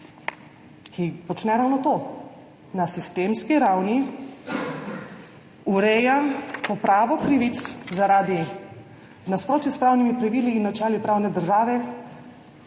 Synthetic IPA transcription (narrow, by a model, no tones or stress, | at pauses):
kʰipɔt͡ʃnɛɾaːwnɔt̪oː | nasist̪eːmskiɾawni | uɾɛːjapɔpɾaːʋɔkɾiʋit̪szaɾaːd̪i | vnaspɾoːt̪juspɾaːwnimipɾaʋiliːnːat͡ʃɛːlipɾaːwnɛd̪əɾʒaːʋɛ